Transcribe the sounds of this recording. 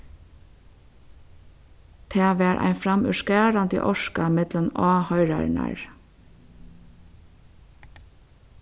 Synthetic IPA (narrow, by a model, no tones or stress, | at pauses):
t̪ʰeːʋeːɾʔæ̰ɪfɾɑmʔʉ̰ʃkæːɹɑnd̪ḭːʔɔʃkɑmɪd̪lənɑːhœʏɹɑ̰ɾnæ̰ɹ